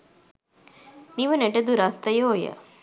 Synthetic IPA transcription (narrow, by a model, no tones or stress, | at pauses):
niʋəneʈəd̪uɾast̪ɐjoːjə̰